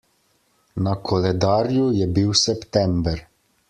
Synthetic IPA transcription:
nakʰɔlɛd̪aːɾjujɛbiwsɛpt̪ɛmbɛɾ

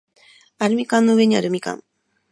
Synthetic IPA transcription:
aɾɯmikãnːoɯe̞ɲiaɾɯmikã̰ŋ

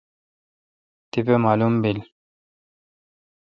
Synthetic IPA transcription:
t̪ipemaːlumbil

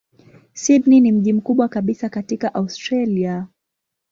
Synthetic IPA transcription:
sidninim̩ʄim̩kuɓwakaɓisakatikaʔaustɾalia

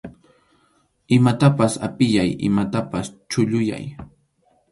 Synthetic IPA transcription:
ɪmat̪apasa̰pɪjajɪ̰mat̪apast͡ʃʊʎʊja̰j

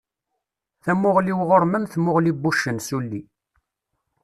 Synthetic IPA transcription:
θæmːʊʁliwʁoɾˤmənθmʊʁlibuʃːənsulːi

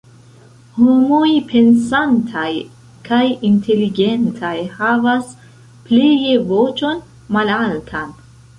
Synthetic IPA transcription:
homo̞jpʰe̞nsantʰaj | kʰajintʰe̞liɡe̞ntʰajhavas | plijevo̞t͡ʃo̞n | malaltʰan

